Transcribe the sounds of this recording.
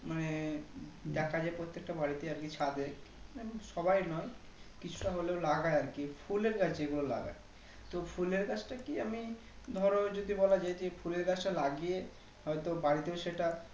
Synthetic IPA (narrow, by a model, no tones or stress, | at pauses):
mane | ɖɛkʰad͡ʑaepɾot̪ːek̚ʈabaɽit̪eaɾkit͡ɕʰad̪ekmaneʃɔbajnɔj | kit͡ɕʰu̥ʈaɦoleolaɡaeaɾkifʰuleɾkat͡ɕʰd͡ʑeɡulola̰ɡa̰e | t̪ofʰuleɾkat͡ɕʰʈakiami | d̪ʱɔɾod͡ʑod̪ʱibɔlad͡ʑajd͡ʑefʰuleɾkat͡ɕʰʈalaɡije | hɔet̪obaɽit̪eoʃeʈa